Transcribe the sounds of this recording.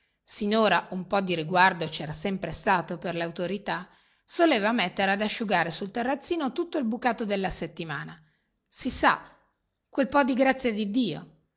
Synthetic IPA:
sinoːɾaumpɔd̪iɾiɡward̪ot͡ʃɛːɾasɛmpɾest̪aːt̪operleaut̪oɾit̪a | soleːvamet̪ːeɾead̪aʃːuɡaːɾesult̪erːat̪sːiːnot̪ut̪ːoilbukaːt̪od̪elːaset̪ːimaːna | sisa | kwelpɔd̪iɡɾat̪sːjed̪id̪ːiːo̰

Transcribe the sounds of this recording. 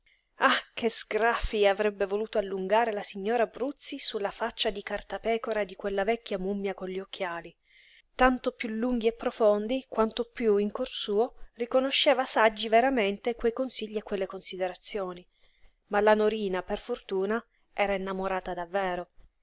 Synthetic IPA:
akezɡɾafiavɾɛbːevoluːt̪oalːuŋɡaːɾelasiɲːoːɾabɾut̪sːisulːafat͡ʃːad̪ikart̪apɛːkoɾad̪ikwelːavɛkːjamumːjakonʎiokʰːjaːli | t̪ant̪opjulːuŋɡiepːɾofond̪ikwant̪opjuiŋkorsuːorikonoʃːeːvasad͡ʒːiveɾament̪ekwejkonsiʎːiekːwelːekonsid̪eɾat̪sːjoːni | malanoɾiːnaperfort̪uːna | ʔɛːɾaenːamoɾaːt̪ad̪avːɛːɾo

